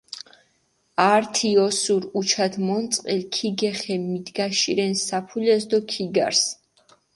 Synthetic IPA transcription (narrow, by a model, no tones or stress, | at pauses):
aɾt̪ʰiɔsuɾut͡ʃʰad̪mɔnt̪sʼqʼilkʰiɡɛχɛmid̪ɡaʃiɾɛnsapʰulɛzd̪ɔkʰiɡa̰ɾs